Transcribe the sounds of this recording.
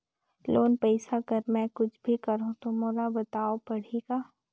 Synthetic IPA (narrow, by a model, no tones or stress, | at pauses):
loːnpɛːsakɐɾmɛ̃kʊt͡ʃʰbʱikɐɾɦũt̪omoːɾabɐt̪aːopɐɽ̤iɡaː